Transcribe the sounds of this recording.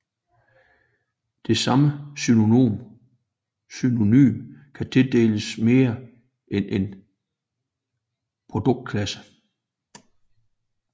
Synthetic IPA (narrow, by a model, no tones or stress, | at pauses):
d̥e̝sɑ̈məsynoo̝̰ːm | syno̝ny̰ːmkʰæt͡sʰe̝ld̥e̝̰ːləsme̝ːɐ | ʔenʔen | pʰʁo̝d̥ɔ̽ɡ̥̚d̥̚kʰlæsə̥